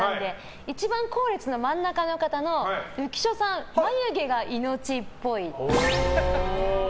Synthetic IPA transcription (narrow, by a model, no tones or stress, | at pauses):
ãnd̪e̞ | it͡ɕibãŋko̞ːɾʲet͡sɨno̞mãnːakano̞kat̪ano̞ɯ̟kʲi̥ɕo̞sãmmaɲɯɡe̞ɡaʔino̞t͡ɕipːo̞i